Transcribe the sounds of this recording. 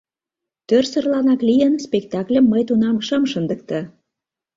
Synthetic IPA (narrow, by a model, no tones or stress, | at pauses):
t̪ørsə̆rlɑnɑklijənspek̚t̪ɑklʲəmːəjt̪unɑmʃəmʃənd̪ək̚t̪ɤ